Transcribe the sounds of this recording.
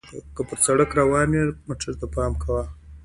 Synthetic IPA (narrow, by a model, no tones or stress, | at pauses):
kəpəɾt͡saɽəkɾawɑːnemaʈ͡ʂazt̪apɑːmkʰawa